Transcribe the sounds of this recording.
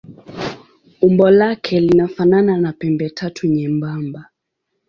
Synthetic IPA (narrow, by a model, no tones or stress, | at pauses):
umbɔlakʰɛlinafanananapɛmbɛtʰatʰuɲɛmbamba